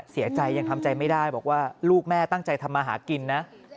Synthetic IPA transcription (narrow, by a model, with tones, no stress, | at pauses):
si˩˦ɐt͡ɕa˧jːa˧ŋt̪ʰa˧mt͡ɕa˧jma˥˩jdaː˥˩jbɔː˨˩k̚waː˥˩luː˥˩k̚mɛː˥˩t̪a˥˩ŋt͡ɕa˧jt̪ʰa˧mːaː˧ɦa̰ː˩˦ki˧nːa˦˥